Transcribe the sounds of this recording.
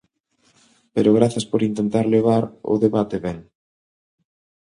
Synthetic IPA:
peɾoɣ̞ɾaθɐspoɾint̪ent̪aɾleβ̞aɾo̰ðeβat̪eβɛŋ

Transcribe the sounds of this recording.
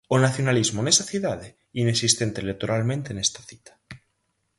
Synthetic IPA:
onaθjonalizmonesaθiðaðe | inesist̪e̞nt̪elek̚t̪oɾʔalmẽnt̪e̞ne̞st̪ḁθi̥t̪ḁ

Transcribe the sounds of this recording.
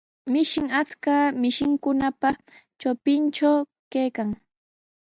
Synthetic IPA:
mɪʃɪŋat͡skamɪʃɪŋkʊnapa | t͡ʃopɪnt͡ʃaw | kejkaŋ

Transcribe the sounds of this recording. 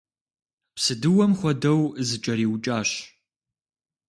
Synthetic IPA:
psɨdɨwɐmχʷɔdɐwzɨt͡ʃʼɐɾiːwt͡ʃʼaːɕ

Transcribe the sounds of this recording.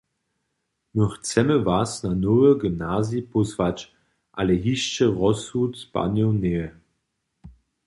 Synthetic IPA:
nuxt͡sɛməvasnanɔvəɡəmnaːzipɔzvat͡ʃ | ʔalɛɦiʃt͡ʃəʁɔsut̪spa̰njɔneə

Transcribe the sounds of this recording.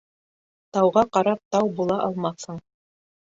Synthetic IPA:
t̪ɑwʁɑqɑɾɑp̚t̪ɑwbulˠɑʔɑlˠmɑθhɤɴ

